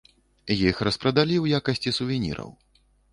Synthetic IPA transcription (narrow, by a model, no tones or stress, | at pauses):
jixrɐspɾɐd̪alʲiwjakɐsʲt͡sʲisuvʲinʲḭɾɐ̰w